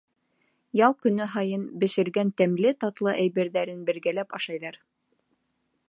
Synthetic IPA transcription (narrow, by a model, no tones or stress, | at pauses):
jɑlˠkɵ̆nɘɦɑjɤnbɘ̆ʃɘ̆ɾɡænt̪æmlɘt̪ɑt̪lˠɤʔæjβæɾðæɾɘnbɘ̆ɾɡælæpɑʃɑjðɑɾ